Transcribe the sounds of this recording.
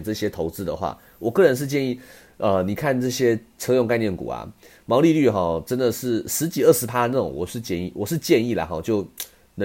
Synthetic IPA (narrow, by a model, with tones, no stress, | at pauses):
nʈ͡ʂɤ˥˩ɕjɛ˥t̪ʰo˧˥ʊt͡sɹ̩˥d̪ə̰˨xwa̰˥˩ | wʔɔ˨˩kɤ˥˩ɻə˧˥nʂɻ̩˥˧t͡ɕjɛ˥˧ni˥˩ | ə˧ni˨˩kʰa˥˧nʈ͡ʂɤ˥˩ɕjɛ˥ʈ͡ʂʰɤ˥jʊ˥˧ŋka˥˧ɪnjɛ˥˩nkṵ˨˩ɐ̰˩ | mɑ˧˥ʊli˥˧ly˥˩xɔ˥˩ʈ͡ʂə˥nd̪ə˨ʂɻ̩˥˩ʂɻ̩˧˥t͡ɕi˨˩ə˥˩ʂɻ̩˧˥pʰa˥nə˥˩ʈ͡ʂʊ̰˨˩ŋwɔ̰˨˩ʂɻ̩˥˧t͡ɕjɛ˥˧nḭ˥˩wɔ˨˩ʂɻ̩˥˧t͡ɕjɛ˥˧ni˥˩la̰˩xɔ̰˥˩t͡ɕjo˥˩ʊ | nɤ˧˦